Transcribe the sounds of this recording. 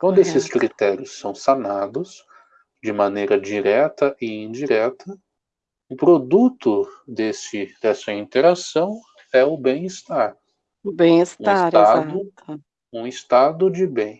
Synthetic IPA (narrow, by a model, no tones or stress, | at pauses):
ɐ̃w̃d̪esɪsskɾit̪ɛɾjʊsːɐ̃w̃sanad̪ʊs | d͡ʒɪmɐ̃nejɾɐd͡ʒiɾɛt̪ɐʔɪĩd͡ʒiɾɛt̪ʰɐ | ʊpɾod̪ut̪ʊd̪esɪd̪ɛsɐĩnt̪eɾasɐ̃w̃ | ɛʊbẽj̃ist̪aɾ | ʊbẽj̃istũasad̪ʊ | ũɪst̪ad̪ʊd͡ʒɪbẽj̃